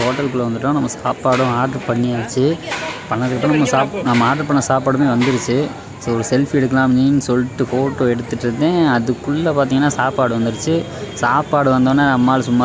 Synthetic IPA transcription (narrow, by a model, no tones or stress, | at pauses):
ɦoːʈːɐlkɯɭɐʋɐnd̪ɯʈːõːnɐmːɐsaːpaːɽʊ̃aːʈɐɾpɐɳːiaːt͡ʃːɯpɐɳːɐðɯkːɐpːɾõnɐmːɐsaːpnɐmːɐaːʈɐɾpɐɳːɐsaːpaːɽɯmeːʋɐnd̪ɯɾɯt͡ʃːɯ | soːɔɾɯsɛlfɛɽɯkːɐlãːmninːɯsɔlːɪʈːɯfoːʈːoːɛɽɯt̪ːɯʈːɾɯt̪ːẽːɐðɯkːɯɭːɐpaːɾt̪iŋɐnːaːsaːpaːɽɯʋɐnd̪ɯɾɯt͡ʃːɯsaːpaːɽɯʋɐnd̪oːnːaːnɐmːaːlsʊmːaː